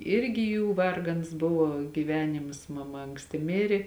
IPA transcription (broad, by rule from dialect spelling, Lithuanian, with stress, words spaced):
ˈɪrʲɡʲɪ ˈjuː ˈʋɐrɡɐns ˈbʊʋoː ɡʲiːˈʋʲæːnʲɪmɐs mɐˈmɐ ɐŋksʲˈtʲɪ ˈmʲɪrʲɪ